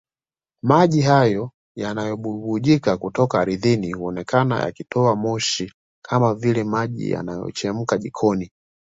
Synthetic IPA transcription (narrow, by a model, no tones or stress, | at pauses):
maʄihajɔ | janajɔɓuɓuʄikakutɔkaːɾiðinihuɔnɛkana̰ja̰kitʰɔamɔʃi | kʰamavilɛmaʄḭja̰najɔ̰t͡ʃɛm̩kaʄikʰɔni